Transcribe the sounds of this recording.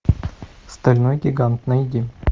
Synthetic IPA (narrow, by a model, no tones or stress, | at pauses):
st̪ɐlʲnojɡʲɪɡant̪nɐɪdʲi